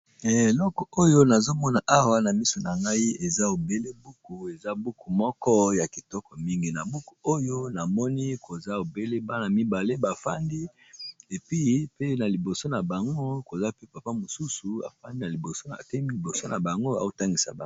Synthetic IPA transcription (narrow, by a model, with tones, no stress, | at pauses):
ɛ˨lɔ˦kɔ˨o˦jo˦na˨zo˦mɔ˦na˨ʔa˦wa˦na˨mi˦su˨na˨ŋɡa˦i˦e˨za˦o˨be˦le˦bu˦ku˨e˨za˦bu˦ku˨mɔ˦kɔ˦ja˨ki˨tɔ˦kɔ˨mi˦ŋɡi˨na˨bu˦ku̥˨o˦jo˦na˨mɔ˦ni˦ko˨za˦o˨be˦le˦ba˦na˨mi˦ba˨le˦ba˨fa̰˦ndi˦ | e˨pi˦pe˦na˨li˨bo˨so˦na˨ba˨ŋɡo˦ko˨za˦pe˦pa˨pa˦mo˨su˦su˨a̰˨fa˦ndi˦na˨li˨bo˨so˦na̰˨te˦˨i˨bo˨so˦na˨ba˨ŋɡo˦a̰˦o˦ta˦ŋɡi˨sa̰˨ba˦